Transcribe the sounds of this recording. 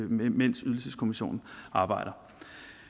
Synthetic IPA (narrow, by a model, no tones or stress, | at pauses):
men̰syðˠl̩səskʰo̝miɕo̝̰ːnn̩ɑ̈ːb̥ɑ̈ɪ̰ɾ̥ɐ